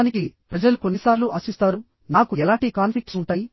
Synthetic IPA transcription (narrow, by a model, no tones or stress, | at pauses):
nikipɾɐd͡ʒɐlukonːisaːɾluʔɐsist̪aːɾu | naːkuɛlaːɳʈikaːnpʰflik̚ʈsuɳʈaːji